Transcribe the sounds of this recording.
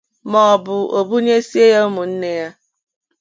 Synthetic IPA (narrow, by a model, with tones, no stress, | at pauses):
mɔ˨ɔ˨bʊ˨o˨bu˦ɲe˦si˦e˦ja˦u˦mʊ˨n̩˦ne˦ja˦